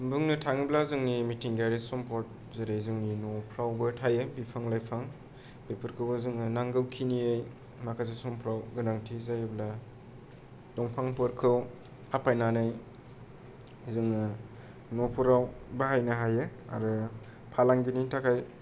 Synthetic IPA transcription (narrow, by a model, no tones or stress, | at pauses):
bɯŋnɯtʰaŋiblazɯŋnimitʰiŋɡajɾesɔmpʰɔɾt̚ | zaɾazɯŋninɔpʰɾawbɯtʰajɯbipʰaŋlajpʰaŋ | bepʰɯɾkʰɯwbɯzɯŋɯnaŋɡɯwkʰiniej | makʰazesɔmpʰɾawɡɯnaŋtʰizajbla | dɔŋpʰaŋpɯɾkʰɯw | apʰajnanaj | zɯŋɯ | nopʰɯɾawbaɦajnɯɦajɯa̰ɾɯ | pʰalaŋɡinitʰakʰaj